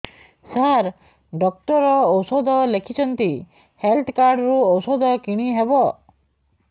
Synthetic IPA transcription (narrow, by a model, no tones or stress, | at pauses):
saɾ | ɖɔk̚ʈɔɾɔːwsɔd̪ʱɔlekʰit͡ʃʰɔnt̪i | helt̪ʰkaɾɖɔɾuɔwsɔd̪ʱɔkiɽ̃iɦebɔ